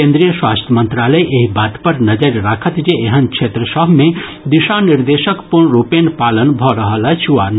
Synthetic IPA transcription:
ẽnd̪ɾijəswaːst̪ʰjəmənt̪ɾaləjʔeɦibaːt̪pəɾnəd͡ʒəɾɾaːkʰət̪d͡ʒeeɦənkt͡ʃʰet̪ɾəsəɦmẽ | d̪iʃaniɾd̪eʃəkpuɳɾupenpalənbʱɔɾəɦəlat͡ʃʰuwan

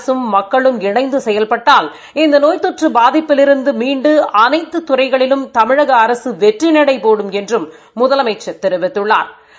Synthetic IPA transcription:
sɯmːɐkːɐɭɯmɪɳɐɪnd̪ɯsɛjːɐlpɐʈːaːl | ɪnd̪ɐnoːjt̪ɔʈrɯbaːðɪpːɪlɪɾɯnd̪ɯmiːɳɖɯɐnɐɪt̪ːɯt̪ʊrɐɪɣɐɭɪlɯmt̪ɐmɪɻɐɣɐːɾɐsɯʋɛʈrinɐɽɐɪpoːɽɯmɛndrɯmː | ʊðɐlɐmɐɪt͡ʃːɐt̪ːɛɾɯʋɪt̪ːɯɭːa̰ːɾ

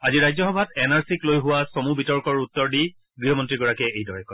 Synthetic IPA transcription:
aziɹajzɔxɔbʱatɛnaɹsiklojɦʊwasɔmubitɔɹkɔɹutːɔɹdi | ɡɹiɦɔmɔntɹiɡɔɹakɛejdɔɹɛkɔ

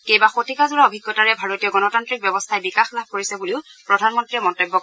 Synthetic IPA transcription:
kejbaxotikazuɹaobʱiɡːɔtaɹɛbʱaɹotijɔɡɔnɔtantɹik̚bjɔbɔstʰaɛbikaxlab̚koɹisɛbuliʊpɹɔdʱanmɔntɹiɛmɔntobːɔ

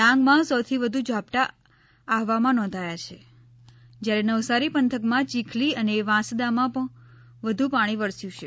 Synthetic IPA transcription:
ãŋɡmãsɔt̪ʰiʋəd̪ʱud͡ʒapʈaː | ɦʋamãnɔ̃nd̪ʱajat͡ʃʰe | d͡ʒjaɾenəʋsaɾipənt̪ʰəkmãt͡ʃikʰliəneʋãsd̪amãpəɳ | ʋəd̪ʱupaɽ̃iʋəɾsjũt͡ʃʰe

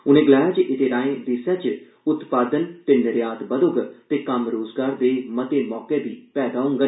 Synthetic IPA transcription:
ʊnẽːɡɪlaːjaːt͡ʃʔɪt̪eːɾaːẽːd̪esjaːt͡ʃ | ʊt̪paːd̪ənp̪ɪnɾjaːt̪bəd̪oːɡt̪eːkəmɾoːzɡaːɾd̪eːmət̪eːmɔːkeːbiːpɛːd̪aːɦõːŋɡə

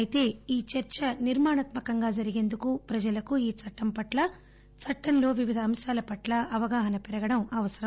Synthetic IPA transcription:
ɐjit̪e̞ːiːt͡ʃɐɾt͡ʃɐniɾmaːɳɐt̪mɐkɐŋɡaːd͡ʒɐɾiɡe̞ːnd̪ukupɾɐd͡ʒɐlɐkuiːt͡ʃɐʈːɐmpɐʈlɐ | t͡ʃɐʈːɐnlo̞ːʋiʋid̪ʱɐːmʃaːlɐpɐʈlɐɐʋɐɡaːɦɐnɐpɛɾɐɡɐɽɐmɐʋɐsɐɾɐ

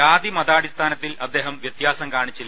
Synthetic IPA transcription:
aːd̪imɐðaːɽist̪ʰaːnɐt̪ːilɐd̪ːe̞ːɦɐmʋjɐt̪jaːsɐmkaːɳit͡ɕːil

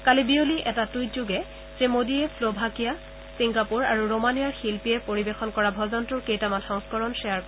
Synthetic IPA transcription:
kalibioliʔɛtatujtzuɡɛ | zemodiɛpʰlobʱakija | siŋɡapuɹaɹuɹomanijaɹxilpiɛpoɹibexɔnkɔɹabʱɔzɔntʊɹkejtamatʰɔŋskɔɹɔnsɛjaɹ

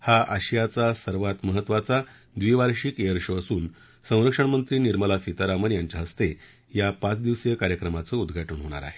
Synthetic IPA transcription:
haʔəɕjat͡sasəɾʋat̪məɦət̪ʋat͡sa | d̪ʋiʋaɾɕiːkeəɾɕəəsuːn | sə̃w̃ɾəkʂəɳmənt̪ɾiːniɾməlasit̪aɾamənjaɲt͡ɕjaɦəst̪e | japat͡sd̪iʋsjəkaɾjəkɾəmat͡səud̪ɡʱaʈəɳɦoɽ̃a̰ɾa̰ɦe

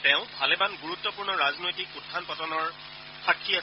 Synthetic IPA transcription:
tɛ̃ʊ̃bʱalebanɡuɹutːɔpuɹnɔɹaznojtikutʰːanpɔtɔnɔɹ | xakʰːia

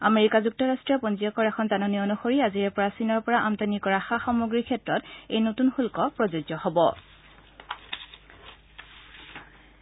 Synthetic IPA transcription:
ameɹikazuk̚tɔɹastɹijɔpɔnziɔkɔɹɛxʰɔntanɔniɔnuxoɹiaziɛpɔɹasinɔɹpɔɹaʔamtanikɔɹaxaxɔmoɡɹikʰɛtɹɔtejnotunxulkɔpɹɔzozɔhɔbɔ̰

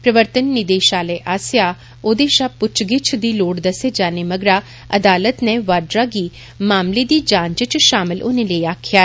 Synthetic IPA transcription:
pɾəʋəɾt̪ənːɪd̪eːʃaːleːʔaːsɪjaː | oːd̪eːʃaːpʊt͡ʃɡɪt͡ʃʰd̪iːloːɽd̪əseːd͡ʒaːneməɡɾaː | əd̪aːlət̪neʋaːɖɾaːɡiː | maːmled̪iːd͡ʒãːɲt͡ʃt͡ʃʃaːmɪlʔʊ̰nẽləiaːkʰjaː

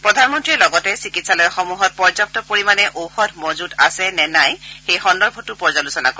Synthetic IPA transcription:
pɹɔdʱanmɔntɹilɔɡɔtɛsikitsalɔjɛxɔmuɦɔt̚pɔɹzɔk̚tɔpoɹimanɛʔowxɔtʰmozudasɛnɛnajxejxɔndɔɹbʱɔtupɔɹzalusɔna̰ko

